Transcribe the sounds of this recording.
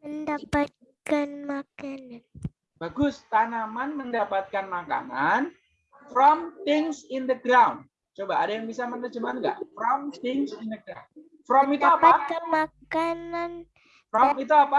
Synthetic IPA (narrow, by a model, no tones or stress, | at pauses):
məndapat̪̚ | kanmakanan | b̥aɡʊst̪anamanməndapat̪̚kanmaka̰nan | fɾɔmt̪ɪŋsindəɡɾaun | t͡ʃobaːdajaŋbisamənərd͡ʒəmanɡa̰ʔfɾɔmt̪ɪŋsindəɡɾa̰m | fɾɔmit̪uapat̪kanmakanan | fɾɔmit̪̬uapa